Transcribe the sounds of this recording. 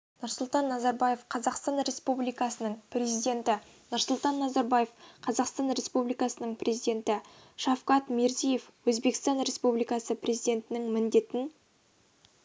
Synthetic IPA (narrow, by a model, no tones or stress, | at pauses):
nʊɾsʊlˠt̪ɑnːɑzɑɾbɑje̞fqʰɑzɑqst̪ɑnɾʲe̞spublijkɑsənəɴprʲe̞zijd̪e̞nt̪ɪ | nʊɾsʊlˠt̪ɑnːɑzɑɾbɑje̞fqʰɑzɑqst̪ɑnɾʲe̞spublijkɑsənəɴprʲʔe̞zijd̪e̞nt̪ɪ | ʃɑfqɑt̪meɾzije̞fwɵzbe̞kst̪ɑnɾʲe̞spublijkɑsəprʲezijd̪e̞nt̪ɪnɪŋmɪnd̪e̞t̪ɪn